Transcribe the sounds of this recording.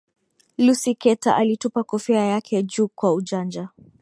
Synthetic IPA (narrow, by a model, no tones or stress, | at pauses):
lusikɛtaʔalitupakɔfɛajakʰɛd͡ʒuːkwaud͡ʒand͡ʒa